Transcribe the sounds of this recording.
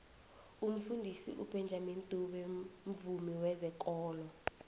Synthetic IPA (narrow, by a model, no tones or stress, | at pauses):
um̩fundʱisḭʔupʰɛnd͡ʒʱamintʼuɓɛɱ̩vumiwɛzɛk̬ʼɔːlɔ